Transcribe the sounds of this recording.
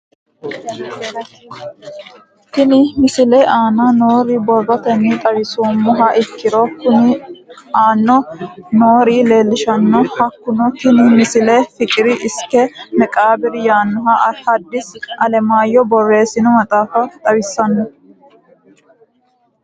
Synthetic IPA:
t̪ɪnɪmɪsɪlɛʔaːnaːnoːɾibɔrɔt̪ɛnːɪt̪ʼɐwɪsoːmːɔɦɐʔɪkːɪɾɔkʊnɪaːnːɔnoːɾiːle̞ːlːɪʃɐnːɔhɐkːʊnɔk̪ɪnɪmɪsɪlɛfɪkʼɪɾɪʔɪskːɛnɛkʼaːbɪɾɪjaːnːɔɦɐʔɐhɐd̪ːɪsɐlɛmaːjːɔbɔɾeːsɪnɔmɐt̪ʼaːfɐt̪ʼɐwɪsːɐnːɔ

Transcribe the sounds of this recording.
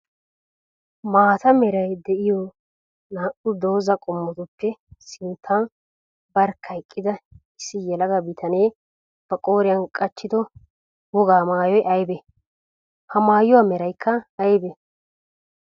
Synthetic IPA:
maːt̪ɐmɛɾɐjd̪ɛʔɪjɔ | naːʔʊd̪o̞ːzɐkʼɔmːɔt̪ʊpːɛsɪnt̪ʰːaːn | bɐɾkʰːɐjkʼːɪd̪ɐ | ɪsːɪjɛlɐɡɐbɪt̪ʰɐneː | b̥ɐkʼo̞ːɾɪjɐnkʼɐt͡ʃːɪd̪ɔ | wɔɡaːmaːjɔjʔɐjbɛ | hɐmaːjʊwamɛɾɐjkʰːɐɐjbɛ

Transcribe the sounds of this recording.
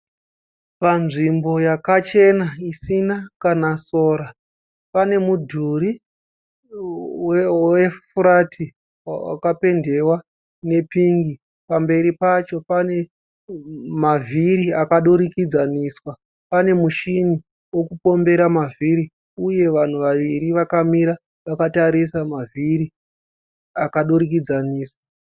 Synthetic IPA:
panʐimbo̞jakat͡ʃe̞naisinakanaso̞ːɾa | pane̞mudʱuɾi | wefuɾatʰi | wa̰kape̞nde̞wa | ne̞piŋɡi | pambe̞ɾipat͡ʃo̞pane̞ | mavʱiɾiakaɗuɾikid͡zaniːswa | pane̞muʃini | wo̞kupo̞mbe̞ɾamaviɾi | uje̞ʋan̤uʋaʋiɾiʋakamiɾa | ʋakataɾisamaviɾi | akaɗuɾikid͡zaniːswa

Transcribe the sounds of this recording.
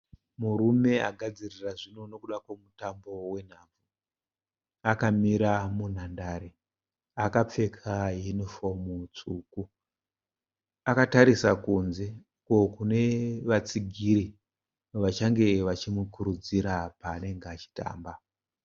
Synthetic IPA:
muɾume̞a̰ɡʱad͡ziriraʐino̞no̞kuɗakwemutambo̞we̞n̤aːb͡vu | akamiɾamun̤andaɾe | akap͡fe̞kʰajenifo̞mut͡suːku | akataɾisakunze | kokune̞ʋat͡siɡʱiɾi | ʋat͡ʃaŋɡe̞ʋat͡ʃimukuɾud͡ziɾapaːne̞ŋɡeat͡ʃi̥ta̰ːmba

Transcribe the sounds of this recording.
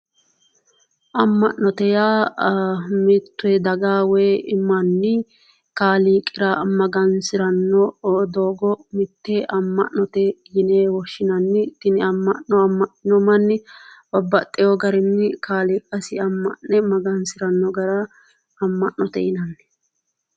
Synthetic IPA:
ʔɐmːɐʔnɔt̪ɛjaː | mɪt̪ːʊɛd̪ɐɡaːwɛːɪmːɐnːɪ | kaːliːkʼɪɾɐmɐɡɐnsɪɾɐnːɔd̪oːɡɔmɪt̪ːɛʔɐmːɐ̰ʔnɔt̪ɛjɪneːwɔʃːɪnɐnːɪt̪ɪnɪɐmːɐʔɔɐmːɐʔnɔmɐnːɪbɔbːɐt̪ʼːɛjɔɡɐɾɪnːɪkaːliːkʼɐsɪɐmːɐʔɛmɐɡɐnsɪɾɐnːɔɡɐɾɐː | mːɐʔnɔt̪ɛ̰jɪnɐnːɪ̥

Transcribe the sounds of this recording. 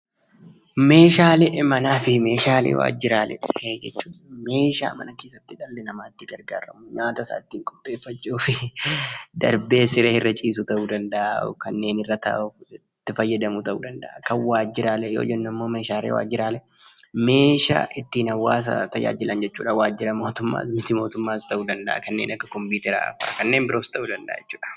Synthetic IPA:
me̞ːʃaːlɛʔmɐnaːfɪme̞ːʃaːlḛːwa̰ːd͡ʒɪɾaːlɛ̰d͡ʒɛt͡ʃːuːᶑɐme̞ːʃa̰ːmɐ̰nɐkeːsɐt̪ːɪᶑɐlːɛnɐmaːɪt̪ːɪɡɐɾɡa̰ːɾɐmʊɲaːt̪ɐsa̰ːt̪ːiːŋkʼɔ̥pʼːe̞ːfːɐt͡ʃːuːfɪ | d̪ɐ̰ɾbe̞ːsɪɾɛɪrːɐt͡ʃʼiːs̬ʊt̪ɐʔuːd̪ɐnd̪ɐʔakɐnːe̞ːnɪrːɐt̪ɐ̰ʔ | t̪ːɪfɐjːɐd̪ɐmut̪ɐʔṵːd̪ɐnd̪ɐʔɐkɐnwaːd͡ʒːɪɾaːlɛjo̰ːd͡ʒɛnːɪmːo̞ːme̞ːʃaːɾḛwa̰ːd͡ʒɪɾaːlɛ | me̞ːʃa̰ːʔɪt̪ːiːnɐwːaːs̬ɐ̰t̪ɐja̰ːd͡ʒɪlʔɐnd͡ʒɛt͡ʃːuːᶑɐwaːd͡ʒːɪɾɐmo̞ːt̪ʊmːa̰ːsmɪt̪ɪmo̞ːt̪ʊmːaːst̪ɐʔuːd̪ɐnd̪ɐʔɐ̰kɐnːeːnɐkːɐkɔmpuːt̪ɛɾa̰ɐ̰fa̰ːkɐnːe̞ːmbɪɾo̞ːst̪ɐʔuːd̪ɐnd̪ɐʔːd͡ʒɛt͡ʃːu̥ːᶑɐ̥

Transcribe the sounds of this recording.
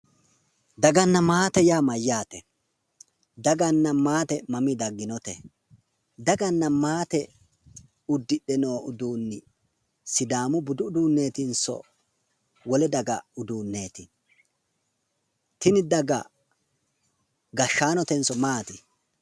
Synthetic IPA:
d̪ɐɡɐnːɐmaːt̪ɛjaːmɐjːaːt̪ɛ | d̪ɐɡɐnːɐmaːt̪ɛmɐmɪd̪ɐɡːɪnɔt̪ɛ | d̪ɐɡɐnːɐmaːt̪ɛ | ʊd̪ːɪɗɛno̞ːʔʊd̪uːnːɪ | sɪd̪aːmʊbʊd̪ʊːd̪uːnːe̞ːt̪ɪnsɔ̰ | wɔlɛd̪ɐɡɐʊd̪uːnːe̞ːt̪ɪ | t̪ɪnɪd̪ɐɡɐ̰ | ɡɐʃːaːnɔt̪ɛnsɔmaːt̪ɪ

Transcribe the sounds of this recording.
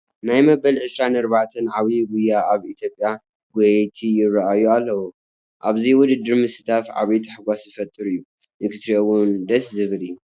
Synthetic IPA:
najmɐbɐlʕɨsɾanɐɾβaʕt̪ʰɐnʕaβiɡujːaʔaβit̪ʰjopʼːja | ɡot̪ʰijɪrːaʔajualːɐwu | ʔaβziwʊd̪ɨd̪ːɨɾmɨsɨt̪ʰat̪ʕa̰βit̪ʰħaɡʷasjɨfɐt̪ʼːɨɾɨjːu | ʔɨkʰɨt̪ɾiowund̪ɐszɨβɨlɨjːu

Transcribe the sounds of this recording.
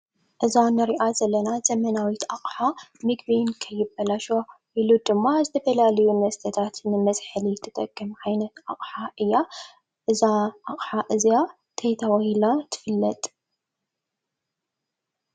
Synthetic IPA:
ʔɨzanɨɾiʔazɐlːɐnaz̥ɐmɐnawit̪aχʼħamɨɡbinkʰɐjːɪbːɐlaʃo | ʔilud̪ɨmːazɨt̪ʰɐfɐlalɐjumɐst̪ʰɐt̪ʰat̪nɨmɐsʼħɨlit̪ʰɨt̪ʼɐɡ̥ːɨmkajnɐt̪aχʼħaʔɨjːa | ʔɨzaʔaχʼħaʔɨzija | t̪ʰɐjt̪ʰawɐjlat̪ʰɨ̥fɨlːɐt̪ʼ

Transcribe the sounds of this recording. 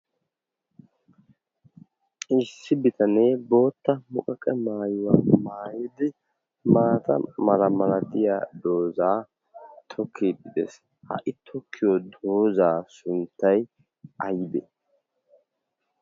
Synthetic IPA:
ɪsːɪbɪt̪ɐneːbo̞ːt̪ːɐmʊkʼɐkʼɛmaːjʊwaːmaːjɪd̪ɪ | maːt̪ɐ̰mɐlɐmɐlɐt̪ɪja̰ːd̪o̞ːzaː | t̪ʰɔkʰːibɪd̪ɛ̰s | hɐ̰ʔɪt̪ʰɔkʰːɪjɔd̪o̞ːzaːsʊnt̪ːɐj | ɐjɪd̪ɛ

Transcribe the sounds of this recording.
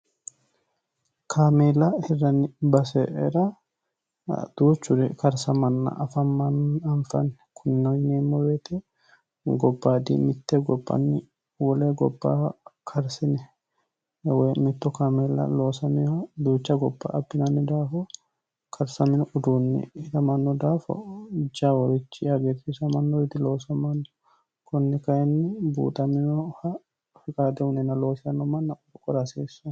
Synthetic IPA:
kʰaːmeːlɐhɪrːɐnɪbɐsɛ̰ʔɛɾɐ | d̪̥uːt͡ʃːʊɾɛkɐɾsɐmɐnːɐ̰ʔɐfɐmːɐnɐɱfɐnːɛ̥kʰʊnːɐjneːmːɔbeːt̪ɛ | ɡɔbːaːd̪ḭmɪt̪ːɛɡɔbːɐ̰nːɪ | wɔleɡɔbːa̰ːkʰɐɾsɪnɛ | jɐwemɪt̪ːɔkɐmɛlːɐ̰lo̞ːsɐmɪjhɐd̪uːt͡ʃːɐɡɔbːa̰ʔɐbːɪnɐnːɪd̪aːfɔ | kʰɐɾsɐmɪnɔʔʊd̪uːnːɛ̰hɪt̪ɐmɐnːɔd̪aːfɔ̰d͡ʒaːwɔɾɪt͡ʃːɪɐɡet̪ɪsɐmɐnːɔɪd̪ɪlo̞ːsɐmɐnːɔ | kɔnːɛkɐjɛnːɪbṵːt̪ʼɐmɪnɔhɐ | fɪkʼaːd̪ɛʊnɛnɐlo̞ːsɪɐnːɔmɐnːɐʊd̪ʊkʼɔɾɐseːsːʊ

